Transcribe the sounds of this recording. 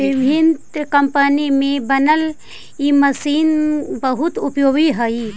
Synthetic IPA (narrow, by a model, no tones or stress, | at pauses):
ʋɪbʱɪnt̪kəmpənimẽbənəl | iməsiːnbəɦʊt̪ʊpjoːɡiɦəi